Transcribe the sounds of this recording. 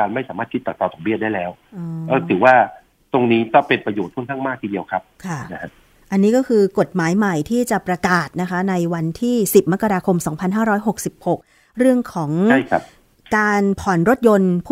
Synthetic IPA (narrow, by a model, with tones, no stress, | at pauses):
aː˧nma˥˩jsaː˩˦maː˥˩kʰi˦t̪̚t͡ɕa˨˩t̪ɔː˧˩t̪ʰːŋ̚bi˥˩daː˥˩jlɛː˦˥w | ʔʔəː˧˩t̪ʰɯː˩˦waː˥˩ | t̪o˧ŋniː˦˥kɔː˥˩pe˧npɾa˧joː˨˩t̪̚ʰu˥ə˨ŋkʰa˥˩ŋmaː˥˩iː˧˩di˧əwkʰa˦˥p̚kʰa˥˩na˦˥kʰa˦˥ | ʔa˧nːiː˦˥kɔː˥˩kʰɯː˧ko˨˩t̪̚maː˩˦jma˨˩jt̪ʰiː˥˩t͡ɕa˨˩pɾa˧kaː˨˩t̪̚na˦˥kʰa˦˥na˧jwa˧nt̪ʰiː˥˩si˨˩p̚ma˦˥kːa˧ɾaː˧kʰo˧msɔː˩˦ŋpʰa˧nɦaː˥˩ɾɔː˦˥jɦo˨˩k̚si˨˩p̚ho˨˩k̚ | ɾɯ˥˩əŋkʰɔː˩˦ŋa˥˩jkʰa˦˥p | kaː˧npʰɔː˨˩nɾo˦˥t̪̚jo˧npʰuː˥˩